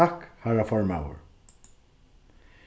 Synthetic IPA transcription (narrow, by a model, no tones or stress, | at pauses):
akhaɹafɔɹma̰wə̰ɹ